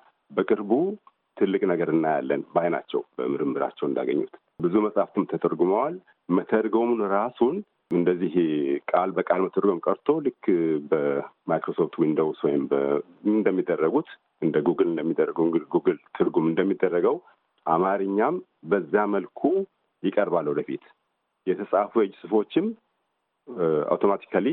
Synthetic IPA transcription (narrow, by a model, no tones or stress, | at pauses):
bəkʼɨɾbu | t̪ʰɨlːɨkʼnəɡəɾɨnːaja̰lːənbajna̰t͡ʃːɛ̰wbə̰mɨɾɨmːɨɾa̰t͡ʃːɛwɨnd̪a̰ɡəɲːṵt̪ | bɨzuməsʼhaft̪ʰɨmt̪ʰət̪ʰəɾɡuməwal | mət̪ʰəɾɡomnɾasun | ɨnd̪əzːihkʼalbəkʼalmət̪ʰəɾɡo̞mkʼəɾt̪ʰo̞lɨkʰːbəmajkɾo̞so̞ft̪wind̪əwswɔjɪmbə | nd̪əmːid̪ːərːəɡut̪ | ɨnd̪əɡuɡɨlɨnd̪əmːid̪ːərːəɡəwŋɡɨlɡuɡɨlt̪ʰɨɾɡumɨnd̪əmːid̪ːərːəɡəw | ʔamaɾɨɲːam | bəzːaməlkʰu | jɪkʼəɾbalːəwd̪əfḭt̪ | jɛt̪ʰəsʼafujɛd͡ʒːsɨfo̞t͡ʃːɪm | a̰wt̪ʰo̞mat̪ʰi̥kʰali